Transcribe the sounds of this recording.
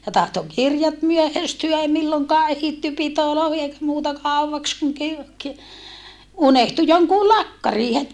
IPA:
jɑ tɑhto kirjɑt myøhæstyæ ei milːoŋkɑː ehitːy pitoloːhi eikæ muːtɑ kɑˑuwʋɑks kuŋ kir ki unehtu joŋkuː lɑkːɑriː het

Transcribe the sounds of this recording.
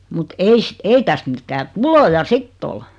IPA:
mut eis ei tæst mitːæː tulojɑ sitː ol

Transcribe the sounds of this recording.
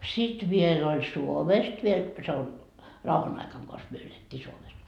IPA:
sit ʋiel olʲ suomest ʋiel se on rɑuhɑn ɑikɑŋ kos myø eletːiː suomes

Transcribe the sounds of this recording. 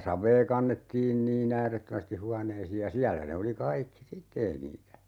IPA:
sɑʋˑeː kɑnːetːiːn niːn æːretːømæsti huɑneisiːj jɑ siælːæ ne oli kɑikːi sitːe ei niːtæ

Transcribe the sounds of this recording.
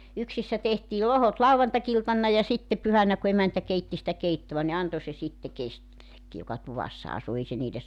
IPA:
yksisːæ tehtiː lohot lɑuʋɑntɑkiltɑnːɑ jɑ sitːe pyhænæ ku emæntæ keitːi sitæ keitːoʋɑ ni ɑnto se sitːe kestilːekːi jokɑ tuʋɑsːɑ ɑsu ei se niːles

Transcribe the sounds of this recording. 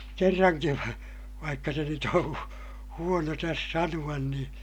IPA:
kerːɑŋkiʋ ʋɑ ʋɑikːɑ se nyt õː huono tæs sɑnuɑn nĩː

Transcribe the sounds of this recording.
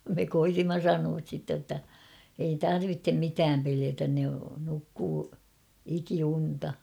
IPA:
me koitimːɑ sɑnuɑs sitːe ə̆tːæ ei tɑrʋitːem mitæːm peliætæn ne nukːuː ikiuntɑ

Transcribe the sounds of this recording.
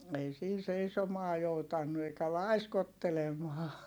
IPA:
ei siːn̞ seisomɑː joutɑnːu eikæ lɑiskotːelemɑː

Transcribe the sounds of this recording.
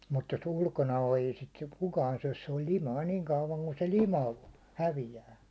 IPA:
mut jos ulkonɑ o ei sit kukɑːn syæ̹s se olʲ limɑi niːŋ kɑuʋɑŋ ku se limɑ hæʋijæː

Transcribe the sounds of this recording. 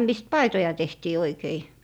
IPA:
mist pɑitojɑ tehtiː oikei

